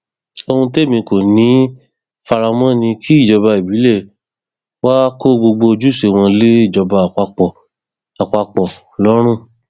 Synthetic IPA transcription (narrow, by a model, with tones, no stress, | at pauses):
o˧ũ˧te˦˨mĩ˧ko˨nĩ˨˦ | fa˧ɾa˧mɔ̃˦˨nĩ˧kʰi˦i˦˨d͡ʒɔ˧ba˧i˨bi˨˦lɛ˦˨ | wa˦ko˦˨ɡ͡bo˧ɡ͡bo˧o˧d͡ʒu˦˨se˨˧˨w̃ɔ̃˧le˦i˦˨d͡ʒɔ˧ba˧˨k͡pa˧k͡pɔ˨ | a˨k͡pa˧k͡pɔ˨lɔ˦ɾ̃ũ˦˨